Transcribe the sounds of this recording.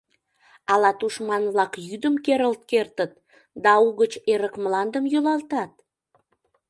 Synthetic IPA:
ɑlɑt̪uʃmɑnβlɑkjyd̪əmkeɾəlt̪̚kert̪ət̪̚ | d̪ɑuɣət͡ɕeɾəkmlɑnd̪əmjulɑlt̪ɑt̪̚

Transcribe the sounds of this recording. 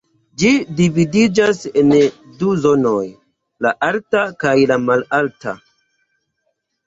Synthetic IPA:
d͡ʒidividid͡ʒase̞n | duzo̞no̞j | laʔaltakajlamalalta̰

